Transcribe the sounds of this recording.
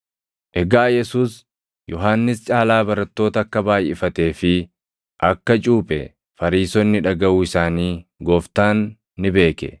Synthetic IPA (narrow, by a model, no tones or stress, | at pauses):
ʔɛɡaːjɛsuːs | jʔɔɦaːnːɪst͡ʃʼaːlaːbɐɾɐt̪ːo̞ːt̪ɐːkːɐbaːjɪfɐt̪e̞ːfɪ | ʔɐkːɐt͡ʃʼuːpʼɛ̰ | fɐɾiːsɔnːɪᶑɐɡɐʔuːɪsaːniːɡɔft̪aːnː | ɪbe̞ːkɛ̰